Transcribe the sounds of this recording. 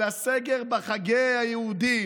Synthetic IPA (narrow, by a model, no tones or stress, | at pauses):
aseɡeʁbaχaɡehajɛhud̪i